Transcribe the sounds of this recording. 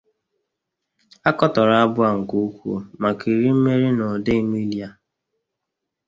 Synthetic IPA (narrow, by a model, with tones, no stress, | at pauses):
a˦kɔ˦tɔ˨ɾa˦a˦bʊ˦a˨ŋ̩˨ku˦kʷo̰˦ma˨ki˨ɾi˦m̩˦me˦ɾi˦no˨de˦mi˦lja˦